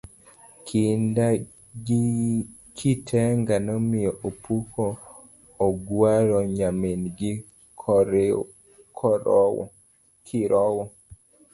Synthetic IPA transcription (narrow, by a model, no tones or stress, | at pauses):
kʰinda | ɡi | kʰitʰɛŋɡanɔmɪjɔʔopʰukʰɔː | ɡwaɾɔɲaminɡi | kɾ | kʰɔ | kʰiɾɔwɔ